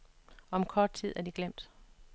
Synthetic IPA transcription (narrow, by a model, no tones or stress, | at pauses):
ɒɒ̽mkʰɒːd̥̚t͡sʰið̰ˠæɐd̥iɡ̥lem̰d̥